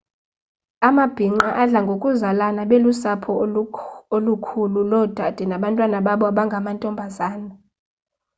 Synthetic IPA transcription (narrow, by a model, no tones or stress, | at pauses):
amab̥ʱiŋ͡ǃaʔaɮaŋɡʱokʼuzalanaɓelusapʰɔ | olukʰululɔd̥ʱad̥ʱɛnaɓantʼwanaɓaɓɔaɓaŋɡʱamantʼɔmbʱazaːna